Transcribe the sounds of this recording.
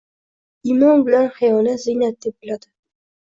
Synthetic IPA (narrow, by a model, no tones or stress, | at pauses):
imɒnbɪlanχajɒlat̪zɪjnat̪̚d̪ep̚bɪlad̪ɪ